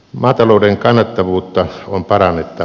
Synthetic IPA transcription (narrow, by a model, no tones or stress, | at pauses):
mɑːt̪ɑloˑudeŋkɑnːɑt̪ːɑʋuːt̪ːɑompɑrɑnːet̪ːɑ